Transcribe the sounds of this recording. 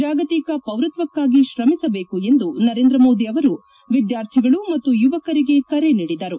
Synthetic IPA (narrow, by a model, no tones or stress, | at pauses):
d͡ʒaːɡɐt̪ikɐpɐʋɾut̪ʋɐkːaːɡiʃɾɐmisɐbe̞ːkue̞nd̪unɐɾe̞ːnd̪ɾɐmo̞ːd̪iɐʋɐɾu | ʋid̪jaːɾt̪ʰiɡɐɭumɐt̪ːujuʋɐkɐɾiɡe̞kɐɾe̞niːɽid̪ɐɾu